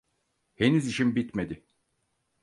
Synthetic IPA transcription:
henyziʃinbit̪me̞d̪ɪ

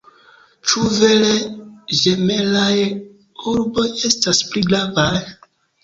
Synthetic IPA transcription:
t͡ʃuve̞leʒeme̞laj | uɾbo̞je̞staspliɡɾavaj

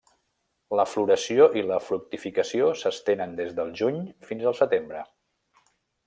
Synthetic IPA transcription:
ləfluɾəsioʔiləfɾuk̚t̪ifikəsiosəst̪enənd̪ezðəlˠʒuɲfinzəlˠsət̪embɾə

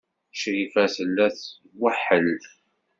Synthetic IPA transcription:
ʃɾifæθəlːæθ | waħːəl

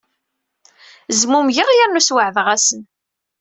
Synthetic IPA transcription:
zmumʝəʁjæɾnuswəʕðʁæsən

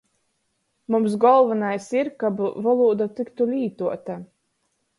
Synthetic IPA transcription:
mums̬ɡɔlˠvanajsiɾkabvalˠuːd̪at̪ikt̪ulʲiːt̪uɔt̪a

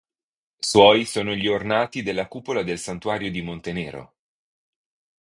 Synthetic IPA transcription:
swɔjsoːnoʎiornaːt̪id̪elːakuːpolad̪elsant̪uwaːɾjod̪imont̪enɛːɾo̰

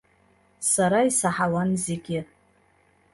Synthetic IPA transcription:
saɾaisaħawanzeɡʲɪ

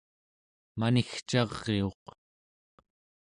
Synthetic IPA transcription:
manixt͡ʃɑʁːeo̞q

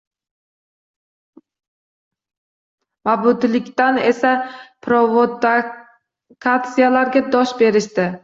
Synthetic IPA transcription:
mabʊd̪lɪkʲt̪ane̞sapʰɾovod̪ | kʰat̪sijalaɾɡʲad̪ɒʃbe̞ɾɪʃt̪ɪ

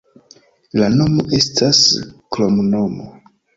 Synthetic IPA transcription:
lano̞moʔe̞stʰasklomnomo

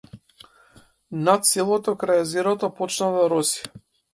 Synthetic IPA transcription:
nat̪̚sɛlˠɔt̪ɔkɾajɛzeɾɔt̪ɔpɔt͡ʃnad̪aɾɔsi̥

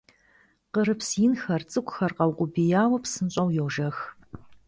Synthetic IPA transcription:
qəɾɨpsjɪnxɐrt͡sʼɨkʷʼxɐrqɐwqʷʊbijaːwɐpsɨnɕʼɐwjɛwʒɐx

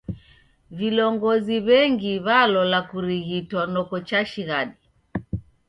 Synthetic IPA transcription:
vilɔŋɡɔziβɛŋɡiβalɔlakuɾiɣitwanɔkɔt͡ʃaʃiɣaɗi

